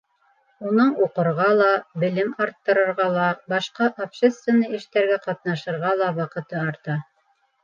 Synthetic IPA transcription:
unɤɴuqɤ̆ɾʁɑlˠɑbɘ̆lɘmɑɾt̪ːɤ̆ɾɤ̆ɾʁɑlˠɑbɑʃqɑʔopɕest̪vʲenːɤɘ̆ʃt̪æɾɡæqɑt̪̚nɑʃɤ̆ɾʁɑlˠɑwɑqɤ̆t̪ɤɑɾt̪ɑ

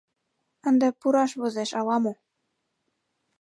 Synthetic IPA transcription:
ə̆nd̪ĕpuɾɑʃβozeʃɑlɑmo

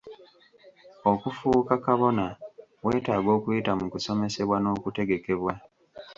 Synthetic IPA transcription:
o̞kufuːkakaβo̞nawe̞ːtaːɡo̞ːkuitamukuso̞me̞se̞βwano̞ːkute̞ɡe̞ke̞βwa

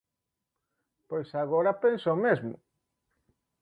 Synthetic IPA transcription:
pojsaɣoɾapensomezmʊ̰

